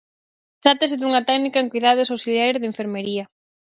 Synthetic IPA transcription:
t̪ɾat̪ɐsɪðuŋɐt̪ɛɣnikɐeŋkujðaðesowsilaɣɾeðeɱfeɾmeɾiɐ

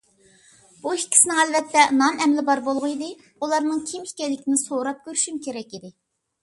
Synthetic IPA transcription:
b̥uikʲʰːi̥sɪnɪŋælvɛt̪ʰːɛnɑnɛmlɪbɑɾbolˠʁʊid̪ɪ | ulˠɑɾnɨŋkʲʰimikʲɛlːɪkʲinɪsoɾɑp̚kʲøɾyʃymkʲʰeɾɛkʲid̪ɪ

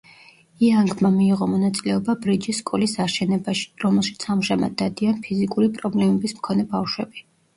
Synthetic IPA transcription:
iaŋɡmamiːʁɔmɔnat̪sʼilɛɔbabɾid͡ʒisːkʼɔlisaɾʃɛnɛbaʃi̥ɾɔmɛlˠʃit̪sʰamʒama̰d̪̚ːad̪ianpʰizikʼuɾipʼɾɔblɛmɛbismkʰɔnɛbafʃwɛbi

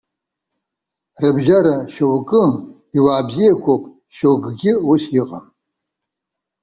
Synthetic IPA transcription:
rɨbʒaɾaʃowkʼɨm | iwaːbzijakʷʰopʼ | ʃowɡɡʲɪusjɪqʼam

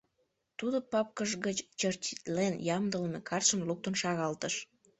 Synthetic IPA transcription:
t̪ud̪opɑp̚kəʒɣət͡ɕt͡ɕərt͡ɕit̪lenjɑmd̪əlmekʰɑrʃəmluk̚t̪onʃɑɣɑlt̪əʃ

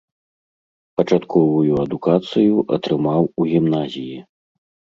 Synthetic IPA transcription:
pɐt͡ʂat̪kʰɔvujuɐd̪ukat̪sɨjuʔɐ̰t̪ɾɨmawuɣʲimnazʲiji

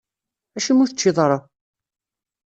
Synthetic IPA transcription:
æʃimʊθət͡ʃːiðˤɾˤə

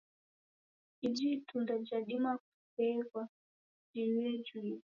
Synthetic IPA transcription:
id͡ʒitundad͡ʒaɗimak | pɛkwa | d͡ʒiwɛd͡ʒwi

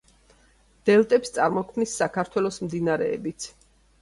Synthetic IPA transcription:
d̪̥ɛlˠt̪ʼɛpst̪sʼaɾmɔkʰmnisːakʰaɾt̪ʰwɛlˠɔsmd̪inaɾɛ̰ːbit̪sʰ

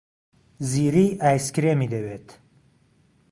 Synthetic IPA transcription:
ziːɾiːʔaːjskɾemid̪ɐweːt̪

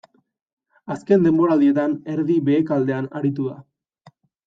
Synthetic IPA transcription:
aske̞nd̪e̞mbo̞ɾald̪ie̞t̪ane̞ɾðiβe̞ːkald̪e̞anaɾit̪uða̰

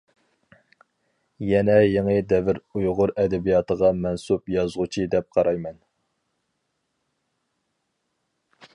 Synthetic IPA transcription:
jɛnɛjeŋɨd̪ɛvɪɾujʁʊɾɛd̪ɛbijɑːt̪ʰəʁɑmɛnsupjɑzʁʊt͡ʃʰid̪ɛp̚qʰɑɾɑjmɛn

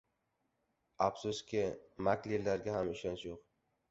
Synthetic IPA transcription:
absuskʲɪmakʲlilːaɾɡʲaɦamɪʃɒnʃjoq

